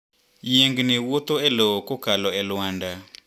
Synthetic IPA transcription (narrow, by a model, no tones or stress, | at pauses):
jeŋɡnewot̪oɛlookokalɔɛlwanda